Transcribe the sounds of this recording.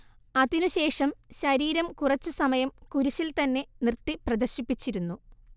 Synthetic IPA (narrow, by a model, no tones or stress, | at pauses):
ɐðinuɕe̞ːʂɐmɕɐɾiːɾɐmkurɐt͡ɕːusɐmɐjɐmkuɾiɕilt̪ɐnːe̞nirt̪ːiprɐd̪ɐrɕipːit͡ɕːiɾunːu